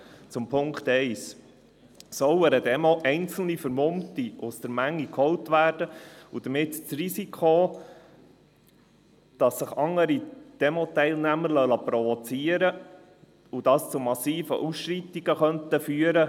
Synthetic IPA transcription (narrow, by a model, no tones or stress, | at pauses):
t͡sʊmpʰʊŋkχt̪ɛɪs | sɔwəɾədɛmɔʔɛɪnt͡sl̩nifəɾmʊmtiʔʊsd̥əɾmæŋːikʰhɔwtʋæːrd̥əud̥̪əmɪtt͡srisikʰχo | d̥ɑsːəχɑŋːəɾid̪̥ɛmɔtɛɪlnæməɾlœləpɾɔvɔt͡siəɾə | ud̥ɑst͡sʊmɑsiːfə̰ʔusʃɾit̪iɡ̥əχœnt̪əfyːəɾə